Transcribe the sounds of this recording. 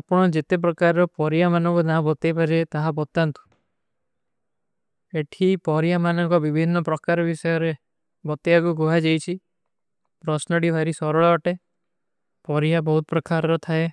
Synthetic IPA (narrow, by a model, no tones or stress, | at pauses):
apɔɽ̃ɔd͡ʒet̪ep̬ɾɔkaɾɾɔpɔɾijamanɔ̃ŋkunabɔt̪ajpaɾet̪aɦabɔt̪ant̪u̥ | eʈʰipɔɾijamanɔŋkɔbibʱinːɔpɾɔkaɾɔbisɔjɔɾe | bɔt̪jakuɡoɦad͡ʒajt͡ʃʰi | pɾɔsnɔɽibʱaɾisɔɾɔɭɔɔʈe | pɔɾijabɔɦut̪ɔpɾɔkaɾɔɾɔt̪ʰae